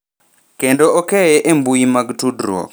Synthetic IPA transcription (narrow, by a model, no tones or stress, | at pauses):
kendoɔkɛɛʔembujimaɡtudɾwɔ̰k